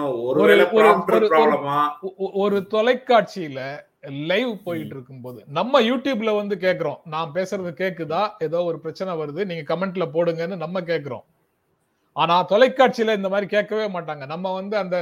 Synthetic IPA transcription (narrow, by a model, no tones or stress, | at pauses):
ɔɔɾɯɔɾɯɔɾɯɾɔɐmaːɔɾɯt̪ɔlɐɪkːaːʈ̚t͡ʃɪjɪlɐ | lɐɪʋpoːjɪʈːɪɾɯkːɯmpoːðɯnɐmːɐjuːʈjuːbɪlɐʋɐnd̪ɯkeːʈkːɐɾõ̰ːnaːpeːsɯɾɐðɯkeːʈkːɯt̪ãːeðoːɔɾɯpɪɾɐt͡ʃːɐnɛʋɐɾɯðɯniːŋɡɐkɐmɛɳʈ̬ɪlɐpoːɽɯŋɡɐnːɯnɐmːɐk̬eːʈkːɐɾõ̰ː | aːnaːt̪ɔlɐɪkːaːʈ̚t͡ʃɪjɪlɐɪnd̪ɐmaːðɾikeːʈkːɐʋeːmaːʈːaːŋɡɐnɐmːɐʋɐnd̪ɯɐnd̪ɐ